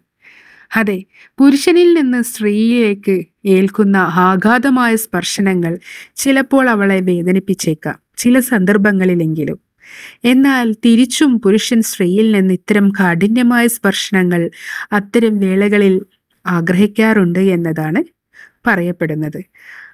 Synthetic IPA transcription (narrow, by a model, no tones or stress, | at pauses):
ɐðe̞ | puɾuʂɐnilninːɨsʈriːjile̞ːkːɨ | e̞ːlkunːɐaːɡʱaːd̪ɐmaːjɐspɐrʂɐnɐŋːɐɭt͡ɕilɐpːo̞ːɭɐʋɐɭe̞ʋe̞ːd̪ɐnipːit͡ɕːekːɐ̰mt͡ɕilɐsɐnd̪ɐrbɐŋːɐɭile̞ŋɡilṵm | e̞nːaːlt̪iɾit͡ɕːumpuɾuʂɐnsʈriːjilninːɨit̪ːɐɾɐmkaːɖinjɐmaːjɐspɐrʂɐnɐŋːɐɭɐt̪ːɐɾɐmʋe̞ːɭɐɣɐɭil | aːɡrɐɦikʲːaːruɳɖɨe̞nːɐðaːɳɨ | pɐrɐjɐpːeɽunːɐðɨ